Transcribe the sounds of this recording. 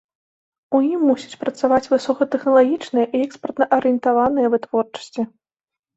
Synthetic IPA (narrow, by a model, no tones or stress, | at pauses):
ujimːusʲit͡sʲpɾɐt̪savat͡sʲvɨsɔkɐt̪ɛxnɐlˠaɣʲit͡ʂnɨjɐʔiɛkspɐrt̪nɐʔɐɾɨjɛnt̪avanɨjɐvɨt̪vɔrt͡ʂɐ̥sʲt͡sʲi